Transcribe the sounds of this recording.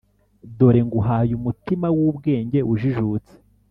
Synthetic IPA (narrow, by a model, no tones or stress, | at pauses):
do̞ɾe̞ŋɡuɦajumutimawuːbɡe̞ːɲɟe̞ʔuʒiʒuːt͡se̥